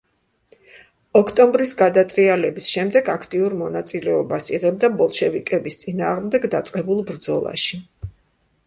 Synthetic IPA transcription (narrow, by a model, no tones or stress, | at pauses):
ɔkʰt̪ʼɔmbɾisɡad̪at̪ʼɾialɛbisʃɛmd̪ɛɡakʰt̪ʼiuɾmɔnat̪sʼilɛɔbasiʁɛb̚d̪abɔlˠʃɛvikʼɛbist̪sʼinaːʁmd̪ɛɡd̪at̪sʼqʼɛbulˠbɾd̪zɔ̰lˠa̰ʃi